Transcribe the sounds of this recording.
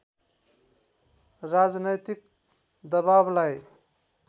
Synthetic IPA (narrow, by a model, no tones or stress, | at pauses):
ɾad͡znəjt̪ik̚ | d̪əbablaj